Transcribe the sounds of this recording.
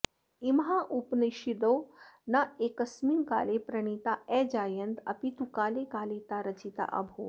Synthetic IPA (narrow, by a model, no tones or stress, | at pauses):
imɦaʔupnɐʃid̪ownɐeːkɐsminka̰ːlepɾɐɳ̃it̪aɛd͡ʒaːjɐnt̪ɐ̰pit̪ukaːlekaːlet̪aɾɐt͡ʃit̪a̰ʔɐ̰bʱoː